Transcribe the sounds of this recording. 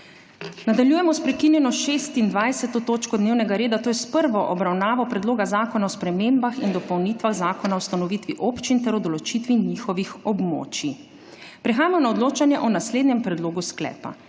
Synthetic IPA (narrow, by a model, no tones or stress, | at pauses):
nad̪aljuːjɛmɔspɾɛkinjɛnɔʃeːst̪ind̪ʋajsɛt̪ɔt̪oːt͡ʃkɔd̪neːwnɛɡaɾeːd̪at̪oːjɛspəɾʋɔʔɔbɾawnaːʋɔpɾɛd̪loːɡazaːkɔnaɔspɾɛmeːmbaxind̪ɔpɔwniːt̪ʋaɣzaːkɔnaɔwst̪anɔʋiːt̪ʋiʔopt͡ʃint̪ɛɾɔd̪ɔlɔt͡ʃit̪ʋiɲixɔʋixɔbmo̰ːt͡ʃi | pɾɛxaːjamɔnaɔd̪loːt͡ʃanjɛʔɔnasleːd̪nɛmpɾɛd̪loːɡusklɛ̰ːpa̰